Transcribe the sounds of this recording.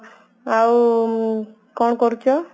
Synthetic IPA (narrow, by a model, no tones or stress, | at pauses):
aw | kɔɳ̃kɔɾukʰjɔ